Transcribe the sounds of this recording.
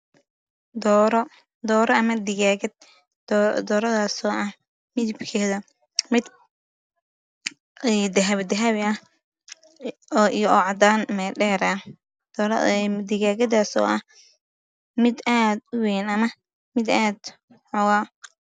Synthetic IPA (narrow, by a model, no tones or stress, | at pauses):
d̪ɔɾ | d̪ɔːɾɔɐmɐd̪ɪɣaːɣɐd̪̚ | d̪ɔːɾɐðaːsɔːʔɐh | mɪd̪ibkʰɛːðɐ | mɪd̪ | ɛd̪ɐɦɐβd̪ɐɦaβɪɐh | ʔijɔːʕɑd̪aːnmɛɖɛːɾɐ | d̪ɾ̰d̪ɪɣaːɣɐd̪aːsɔ̰ːʔɐh | mɪd̪aːd̪ʊwɛːnɐmɐ | mɪd̪aːd̪ | ħɔwaː